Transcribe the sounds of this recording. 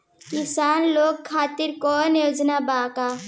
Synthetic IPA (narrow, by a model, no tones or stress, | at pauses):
kɪsaːnloːɡ̚kʰaːt̪ɪɾkɔːnjoːd͡ʒnabaːkaː